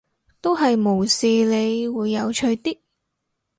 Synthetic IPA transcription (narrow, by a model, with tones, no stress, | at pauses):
t̪o˥wɦɐ˨jmo˨˩wsiː˨le˨˧jwuː˨˧jːɐ˨˧wt͡ʃʰɵ˧ɥt̪iː˥k̚